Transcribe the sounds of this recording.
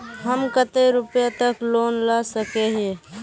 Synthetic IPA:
ɦəmkət̪eɾʊpjat̪əkloːnlasəkeɦe

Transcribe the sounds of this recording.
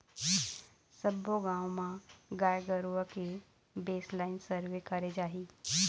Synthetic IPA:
səboɡãːwmãɡaːjɡəɾuʋəke | beːslaːɪnsəɾʋekəɾed͡ʒaːɦi

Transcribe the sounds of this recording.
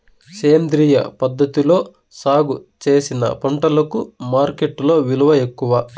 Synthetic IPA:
seːmd̪ɾiːjɐ̰pɐd̪ːɐt̪ilo̞ː | saːɡut͡ʃe̞ːsinɐ̰pɐɳʈɐlɐkumaːɾke̞ʈːlo̞ːʋiluʋɐe̞kːuʋɐ

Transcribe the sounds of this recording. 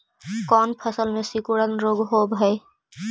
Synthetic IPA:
kɔːnpʰəsəlmẽsikuɽənɾoːɡɦoːbɦəe

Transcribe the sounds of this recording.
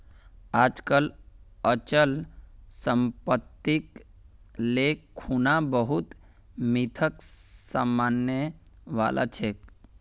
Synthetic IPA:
aːd͡ʒkələt͡ʃəlsəmpət̪ːik | lekʰːunabəɦut̪ | mit̪ʰəksamanjəʋa̰lʔa̰t͡ʃʰek

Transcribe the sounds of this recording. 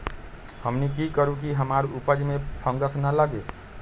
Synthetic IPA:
həmnikikəɾuk̬iɦəmaɾupəd͡ʒmepʰəŋɡəsnələɡe

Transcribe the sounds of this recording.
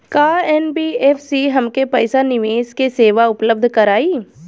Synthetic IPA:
kaːɛːnbiːeːfʰsiɦɐmkepɛɪsanɪʋeːskeseːʋaʊpləb̚d̪ʱkɐɾaːiː

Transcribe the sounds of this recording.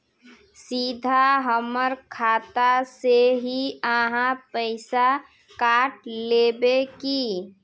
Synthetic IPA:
sid̪ʱaɦəməɾkʰaːt̪aseɦiəɦãpəɪsa | kaːʈlebeki

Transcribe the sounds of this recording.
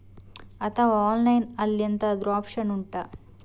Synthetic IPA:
ɐt̪ʰɐʋaaːnlɐjnɐlːjɐnt̪ɐːd̪ɾuaːpʂɐnuɳʈɐ

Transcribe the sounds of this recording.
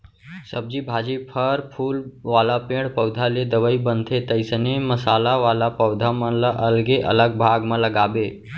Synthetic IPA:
səb̚d͡ʒibʱad͡ʒipʰəɾpʰuːlʋaːlapẽɽpəwd̪ʱaled̪əʋəibənt̪ʰet̪əɪsəneməsaːlaʋaːlapəwd̪ʱamə̃ləʔəlɡeʔə̰ləɡbʱaɡmẽləɡaːbe

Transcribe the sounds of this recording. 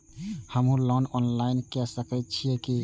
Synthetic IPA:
həmɦũlɔnɔnlainkɛsəkət̪̚t͡ʃʰijɛki

